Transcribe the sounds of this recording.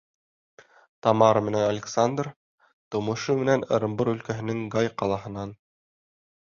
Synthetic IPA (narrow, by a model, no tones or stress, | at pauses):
t̪ɑmɑɾmɘ̆nænalʲɪksand̪r | t̪ŏmɤ̆ʃɤmɘ̆nænɤ̰̆ɾɤ̆mbɤɾɵ̆lkæɦɘ̆nɘŋɡɑjqɑlˠɑɦɤ̆nɑn